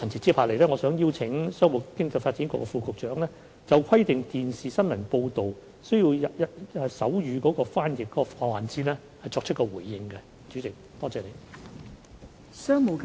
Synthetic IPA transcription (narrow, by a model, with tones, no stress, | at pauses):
t͡sʰɐ˨˩ŋt͡si˨tt͡siː˥pʰaː˧˩le˨jlɛː˥ŋɔː˨˧sœː˨˥ŋjiː˥wt͡sʰɪ˨˥ŋsœː˥ŋmʊ˨kɪ˥ŋt͡sɐ˧faː˧t̚t͡siː˨˥nkɔ̰˧˥kːɔ˧fuː˨˧kʰʊ˨k̚t͡ʃœː˨˥ŋlɛː˥ | t͡sɐ˨wkʷʰɐ˥jt̪ɪ˨ŋt̪iː˨nsiː˨˩sɐ˥nmɐ˨˩npo˧wt̪o˨w | sɵ˥ɥji˧wɐ˨jɐ˨ɛ˨˧sɐ˨˥wjyː˨˧kɔː˨˥kɔː˧faː˥njɪ˨k̚kːɔː˨˦˥ɔ˧fɔː˧waː˨nt͡siː˥nlɛː˥ | hɐ˨jt͡sɔː˧k̚t͡ʃʰt̚kɔː˧wuː˨˩jːɪ˨ŋkɛ˧ | t͡ʃyː˨˥t͡sɪ˨k̚t̪ɔː˥t͡sɛː˨˧ne˨˧j | sœː˥ŋmo˨˩k